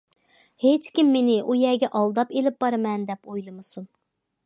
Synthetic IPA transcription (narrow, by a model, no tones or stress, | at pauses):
het͡ʃkʲimːenɪʔujɛɡʲɛʔɑlˠd̪ɑpelɪp̚bɑɾɨmɛnd̪ɛpojlˠɨmɨsun